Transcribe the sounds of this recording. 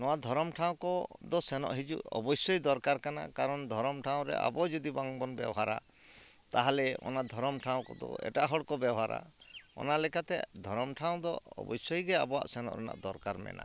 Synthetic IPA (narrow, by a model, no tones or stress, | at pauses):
nɔwad̪ʱɔɾɔmʈʰaw̃kɔd̪ɔsɛnɔ̰ʔɦid͡ʒṵʔɔ̰bɔjsɔjd̪ɔɾkaɾkana̰kaɾɔnd̪ʱɔɾɔmʈʰaw̃ɾɛ̰ʔa̰bɔd͡ʒɔd̪ibaŋbɔnbɛ̰bɔɦaɾa̰ | t̪aɦalɛɔ̰nad̪ʱɔɾɔmʈʰaw̃kɔd̪ɔ̰ɛ̰ʈaɦɔɽkɔbɛbɔɦaɾa̰ɔ̰nalɛkat̪ɛ̰d̪ʱɔɾɔmʈʰaw̃d̪ɔɔ̰bɔjsɔjɡea̰bɔa̰ʔsɛnɔ̰ʔɾɛna̰ʔd̪ɔɾkaɾmɛ̰nʔa̰